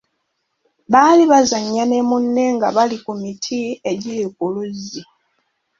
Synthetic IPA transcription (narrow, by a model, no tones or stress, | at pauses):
βaːliβazaɲːanemunːe̞ŋɡaβalikumitʰie̞ɟilikuluzːi